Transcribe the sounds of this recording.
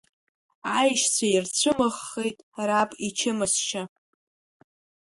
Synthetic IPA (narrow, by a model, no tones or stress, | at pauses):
ajʃt͡sʷʰajirt͡ɕʷʰɨmɨχːejtʼrapʼit͡ʃʰɪmɨsʃa